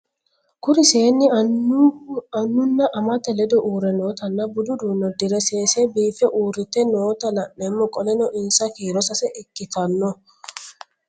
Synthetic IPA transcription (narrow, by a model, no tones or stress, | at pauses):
kʊɾɪseːnːɪ | ɐnːʊnːɐʔɐmɐt̪ɛlɛd̪ɔʔuːɾɛnoːt̪ɐnːɐbʊd̪ʊd̪uːnɔd̪ɪɾɛseːsɛbiːfɛʔuːɾɪt̪ɛnoːt̪ɐlɐʔnemːɔkʼɔlɛnɔʔɪnsɐkiːɾɔsɐsɛʔɪkːɪt̪ɐnːɔ